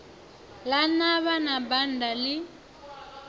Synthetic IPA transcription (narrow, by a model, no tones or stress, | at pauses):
lanaβanabandalɪ